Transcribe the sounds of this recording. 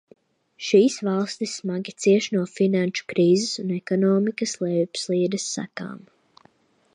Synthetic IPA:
ʃiːsvalˠst̪isːmaɡʲit̪siɛʃnuɔfinanʃu̥kɾiːzɛsunɛkɔnɔːmikɐslˠɛpslˠiːd̪ɐsːa̰ka̰ːm

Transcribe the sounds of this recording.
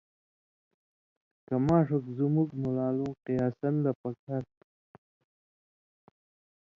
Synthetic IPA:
kamɑːʂukzumukmulaːluqijɑːsanlapakʰaɾ

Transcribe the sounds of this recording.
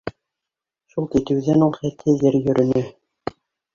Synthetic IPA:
ʃulˠkit̪ɘ̆wðænulˠχæt̪ʰːɘðɘɾjɵ̆ɾʔɘ̆nɵ

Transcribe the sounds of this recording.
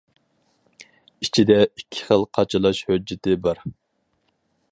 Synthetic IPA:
it͡ʃʰid̪ɛikʲʰːɪ̥χəlˠqʰɑt͡ʃʰilˠɑʃhød͡ʒːɪt̪ɪbɑɾ

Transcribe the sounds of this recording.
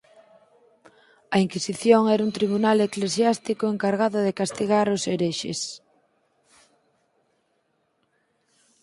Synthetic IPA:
ɐiŋkisiθjoŋɛɾunt̪ɾiβ̞unaleklesjast̪ikoeŋkaɾɣ̞aðʊðekast̪iɣaɾoseɾeʃḛs

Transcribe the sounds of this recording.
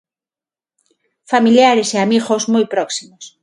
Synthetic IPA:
familjaɾeseamiɣozmojpɾɔksimos

